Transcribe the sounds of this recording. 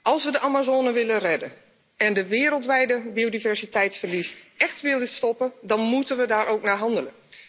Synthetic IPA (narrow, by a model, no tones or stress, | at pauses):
ʔɑlˠsʋədəʔamazoːnəʋɪlərɛdə | ɛndəʋɪːəɾəlˠtʋɛjdəbiodivɛɹsitʰɛjtsfərlisɛxtʋɪːlˠdɪtstɔpədɑnmutənʋədaːɾʔoːknaɦɑndələ